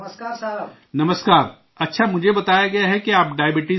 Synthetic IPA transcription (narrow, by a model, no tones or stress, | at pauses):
nɐməskaːɾ | ɐtːʃʰamʊd͡ʒʱebɐt̪aːjaɡɐjaɦɛkeaːp̚ɖaːjəbɪʈi